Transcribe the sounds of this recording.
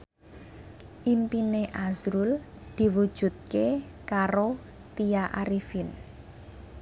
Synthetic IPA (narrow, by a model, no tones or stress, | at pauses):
ʔimpineʔazɾul | d̪̥i̤wud̥ʒ̥ṳt̪̚ke | kaɾo | t̪iaʔaɾifin